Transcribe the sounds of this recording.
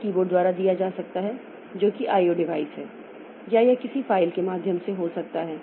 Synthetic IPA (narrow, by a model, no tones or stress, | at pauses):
kiːboːɽd̪waːɾad̪ijad͡ʒaːsɐk̚t̪aɦɛ | d͡ʒoːkiʔaːioɖɪʋaːɪsɦɛː | jajakɪsifaːɪlkemaːd̪ʱjəmseɦoːsɐk̚t̪aɦɛː